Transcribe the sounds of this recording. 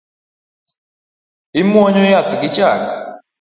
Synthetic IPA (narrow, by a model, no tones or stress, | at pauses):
imwɔɲɔjat̪iɡit͡ʃaka